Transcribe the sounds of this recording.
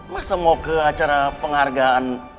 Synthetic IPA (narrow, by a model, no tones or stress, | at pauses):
masamokəat͡ʃaɾapəŋharɡaan